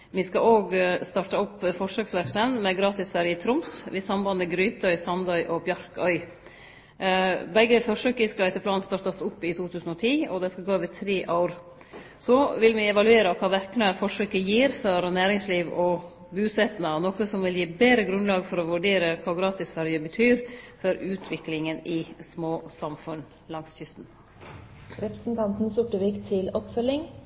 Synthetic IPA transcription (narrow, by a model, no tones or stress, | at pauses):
ʋɪskɑʔoːɡst̪ɑʈəʊpːfɔʂøːksʋæksənmɛɡɾɑːt̪ɪsfæɾjət̪ʰɾʊmsʋɪsɑmbɑnəɡɾyːt̪œʏsɑnd̪ɑʏʔɔbjɑɾkœʏ | bɛɡːəfɔɾʂøːkəskɑɛt̪əpʰlɑːnst̪ɑːɾt̪ɑsʊpːɪt̪ʰuːt̪ʰʉːsn̩ɔt̪ʰiːɔd̪ɛskɑɡoːʋɪt̪ʰɾeːʔɑʊɾ | sɔʋɪlʋɪɛʋɑlʉeːɾəkʰɑːʋæɾknəfɔʂøːkəjiːɾføɾnæːɾɪŋsliːʋɔ | bʉːsɛt̪nɑnɔkəsɔmʋɪljiːbeːɾəɡɾʉnlɑːɡfɔɾɔʋʉɖeːɾəkʰɑːɡɾɑːt̪ɪsfæɾjəbət̪ʰyːɾfɔɾʉːt̪ʰʋɪklɪŋənɪsmoːsɑmfʉn | lɑŋsçʏst̪n̩ | ɾɛpɾə̥sn̩t̪ʰɑnt̪n̩sʊʈəʋiːkt̪ʰɪlɔpfœlːɪŋ